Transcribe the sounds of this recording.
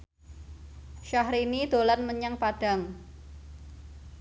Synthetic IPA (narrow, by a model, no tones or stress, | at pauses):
ʃahɾinid̪̥o̤lanməɲəŋpaɖ̥a̤ŋ